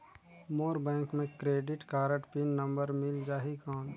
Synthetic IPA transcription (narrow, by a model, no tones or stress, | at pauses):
moːɾbɛ̃ːŋkmẽkɾeːɖɪʈkaːɾəʈpinːɐ̃mbəɾmɪld͡ʒaːɦikãːn